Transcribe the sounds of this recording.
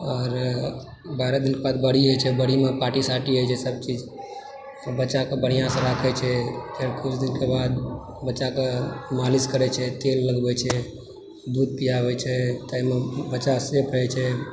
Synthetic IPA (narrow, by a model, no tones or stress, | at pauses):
ɔːɾ | baɾed̪ilkebad̪bəɽ̤iɦojt͡ʃʰɛbəɽ̤imepaʈisaʈiɦojt͡ʃʰɛsəb̚t͡ʃid͡ʒ | bətːt͡ʃakebəɽ̤̃ijãsẽɾakʰɛt͡ʃʰɛk̪eɽkʊt͡ʃʰd̪inkebad̪ | bəːt͡ʃakemaliskəɾɛt͡ʃʰɛt̪elːəɡbɛt͡ʃʰɛ | d̪ud̪̚pijabɛt͡ʃʰɛt̪aimebəːt͡ʃasepʰɛt͡ʃʰɛ